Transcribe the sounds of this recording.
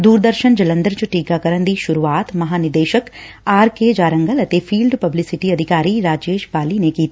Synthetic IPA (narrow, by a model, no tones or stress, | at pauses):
d̪uːɾd̪əɾʃənd͡ʒɐlə̃nd̪əɾt͡ʃɐʈiːkakɐɾə̃nd̪iːʃʊɾuʋaːt̪mɐɦaːnɪd̪eːʃək | aːɾked͡ʒaːɾə̃ŋɡəlɐt̪efʰiːlɖpɐblisɪʈiɐd̪ʱɪkaːɾiɾaːd͡ʒeːʃbaːlinekiːt̪ː